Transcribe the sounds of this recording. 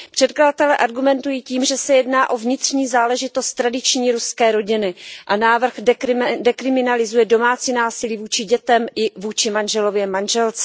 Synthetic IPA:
pr̝̥ɛt̪̚kladat̪ɛlɛʔaɾɡumɛnt̪ujiːciːmʒɛsɛjɛdnaːʔo̞vɲɪt̪r̝̥ɲiːzaːlɛʒɪt̪o̞st̪ːɾadɪt͡ʃɲiːɾuskɛːɾo̞ɟɪnɪʔanaːvr̩xdɛkɾɪmɪnalɪzujɛdo̞maːt͡siːnaːsɪliːvuːt͡ʃɪɟɛt̪ɛmʔɪvuːt͡ʃɪmanʒɛlo̞vjɛmanʒɛlt͡sɛ̥

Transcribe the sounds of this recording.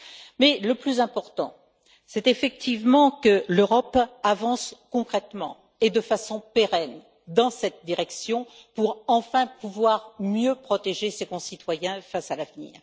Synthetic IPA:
mɛləplyzɛ̃pɔʁt̪ɑ̰̃ | sɛt̪efɛk̚t̪ivmɑ̃kəløʁɔpavɑ̃skɔ̃kχɛt̪mɑ̰̃ | ed̪əfasɔ̃peʁɛn | d̪ɑ̃sɛt̪̚d̪iʁɛksjɔ̃puʁɑ̃fɛ̃puvwaʁmjøpχɔt̪eʒesekɔ̃sit̪wajɛ̃fasalavnḭːʁ

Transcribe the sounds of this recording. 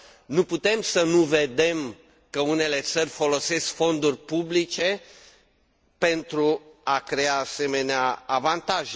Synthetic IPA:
nuput̪e̞msənuve̞d̪e̞m | kəune̞le̞t̪sərʲfo̞lo̞se̞skfo̞nd̪urʲpublit͡ʃe̞ | pe̞nt̪ɾuakɾe̞aːse̞me̞neaːvant̪aʒ

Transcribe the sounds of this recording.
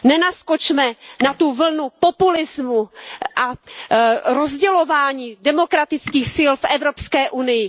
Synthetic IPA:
nɛnasko̞t͡ʃmɛnat̪uvl̩nupo̞pulɪzmuʔa | ɾo̞zɟɛlo̞vaːɲiːdɛmo̞kɾat̪ɪt͡skiːxsiːlfʔɛvɾo̞pskɛːʔunɪjɪ

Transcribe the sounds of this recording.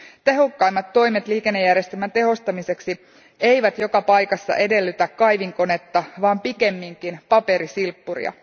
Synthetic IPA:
t̪e̞ɦo̞kːɑjmːɑt̪ːo̞jmet̪liːke̞nːe̞jærjest̪elmænt̪e̞ɦo̞st̪ɑmise̞ksi | e̞jʋæt̪jo̞kɑpɑjkɑsːɑ̰ʔe̞de̞lːyt̪ækːɑjʋiŋko̞ne̞t̪ːɑʋɑːmpike̞mːiŋkinpɑpe̞ɾisilpːurḭɑ̰

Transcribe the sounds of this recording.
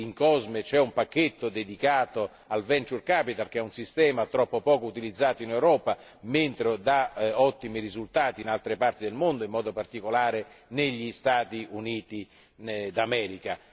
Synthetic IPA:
iŋkɔzmet͡ʃɛumpak̟ːet̪ːod̪ed̪ikaːt̪o | alvɛnt͡ʃurkapit̪alk̟eɛunsist̪ɛːmat̪ɾɔpːopɔːkout̪ilid̪zːaːt̪oinewɾɔːpa | ment̪ɾed̪aɔt̪ːimirizult̪aːt̪iːnalt̪ɾepart̪id̪elmond̪oimːɔːd̪opart̪ikolaːɾeneʎːist̪aːt̪iʔuniːt̪i | d̪amɛːɾika

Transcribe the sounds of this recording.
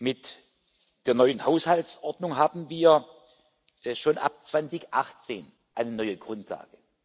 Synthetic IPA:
mɪt | d̥eːɐnɔʏənhaʊshalsʔɔɐdnʊŋɦaːbm̩viːɐ | ʔʃoːnʔa̰p̚t͡sv̥ant͡sɪçʔaχt͡seːn | ʔaɪnənɔʏəɡʁʊntʰla̰ːɡ̥ə

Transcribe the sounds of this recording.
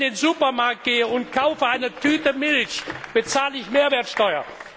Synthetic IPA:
d̥eːnzuːpɐmaɐk̚t̚ɡ̥eːəʊntkʰaʊfəaɪnətʰyːtəmɪlçb̥ət͡saːləɪçmeːɐveːɐtʃtɔʏɐ̰

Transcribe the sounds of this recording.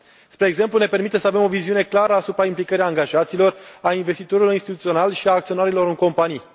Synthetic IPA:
spɾe̞ːɡze̞mplune̞pe̞rmit̪esəave̞mo̞viziune̞klaɾəasupɾaimplikəɾeaŋɡaʒat̪siːlo̞rainve̞st̪it̪oɾiloɾinst̪it̪ut̪sio̞nalʃiaːk̚t̪sio̞naɾilo̞ɾɨŋko̞mpanij

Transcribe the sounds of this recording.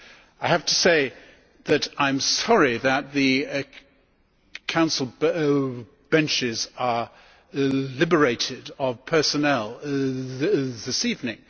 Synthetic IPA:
aɪhæftʰəseɪ | ðɨɾãɪ̃msɑɹiðɨt̪̚ðɨ | kʰãʊ̃nsl̩ˠ | b̥ɛ̃nt͡ʃɪzə˞ | lɪbə˞eɪɾɪɾəv̥pʰɜ˞sɨnɛlˠ | ðɪsivnɪ̰̃ŋ

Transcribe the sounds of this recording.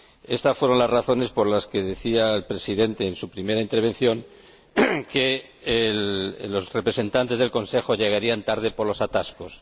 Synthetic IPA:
e̞st̪asfwe̞ɾõ̞nlazraθo̞ne̞spo̞ɾlaske̞ðe̞θiaelpɾe̞siðe̞nt̪e̞ːnsupɾime̞ɾaint̪e̞ɾβ̞e̞nθjo̞ŋ | ke | ello̞zre̞pɾe̞se̞nt̪ant̪e̞zð̞elko̞nse̞xo̞ʎe̞ɣaɾiant̪aɾð̞e̞po̞ɾlo̞sat̪asko̞s

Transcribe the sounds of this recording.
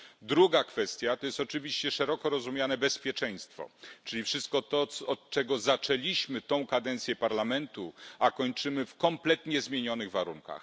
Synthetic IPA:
d̪ɾuɡakfɛst̪ʲjat̪ɔjɛst̪ɔt͡ʂɘvʲiɕt͡ɕɛʂɛɾɔkɔɾɔzumʲjanɛbɛspʲjɛt͡ʂɛj̃st̪fɔ̰t͡ʂɘlʲifʂɘst̪̚kɔt̪ɔsɔːt̪̚t͡ʂɛɡɔzat͡ʂɛlʲiɕmɘt̪ɔ̃w̃kad̪ɛnt̪sʲjɛpaɾlamɛnt̪uakɔɲt͡ʂɘmɘfkɔmplɛt̪ɲɛzmʲjeɲɔnɘɣvaɾuŋka̰x

